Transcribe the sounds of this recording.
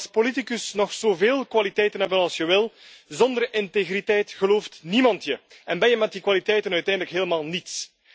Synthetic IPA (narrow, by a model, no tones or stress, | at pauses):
spolitikəsnɔxz̥oːveːlˠkwalitɛjtənɦɛbənɑlˠsjəʋɪlˠzɔndərʔɪnteɣritɛjtɣəloːftnimɑntjə | ɛnbɛjəmɛtdikwalitɛjtənœɥtɛjndələkɦeːləmaːlˠnits